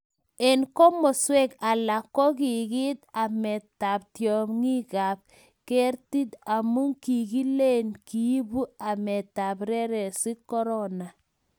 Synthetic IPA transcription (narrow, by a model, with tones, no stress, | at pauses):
e˨nkɔ˦mɔ˨swɛ˦ka˨la˨kːɔ˦ki˨ki˦t̪a˨mɛ˨ta˨p̚tjɔ˨mŋi˦ka˨p̚ | ke˦ɾti˦ta˨mu˦ŋki˨ki˦le˦nki˦bu˦a˨mɛ˨ta˨pɾɛ˦ɾɛ˨si˦kɔ˦ɾɔ˦na˨